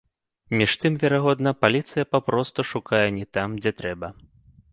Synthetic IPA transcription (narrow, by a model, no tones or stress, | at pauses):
mʲiʂt̪ɨmvʲɛɾaɣɔd̪nɐpalʲit̪sɨjɐpapɾɔst̪uʂukajɛnʲɛt̪amd͡zʲɛt̪ɾɛbɐ